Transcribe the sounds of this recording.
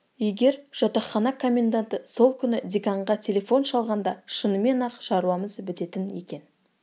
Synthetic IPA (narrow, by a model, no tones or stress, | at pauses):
ijɡʲe̞ɾʒ̥ɑt̪ɑχɑnɑkʰo̞mʲe̞nd̪ant̪əso̞lˠkʲʰʏnɪd̪ʲikɑɴʁɑt̪ʲʰe̞lʲe̞fo̞nʃɑlˠʁɑnd̪ɑʃənəme̞nɑqʒɑɾuwɑməzbɪt̪e̞t̪ɪnje̞̰kʲe̞n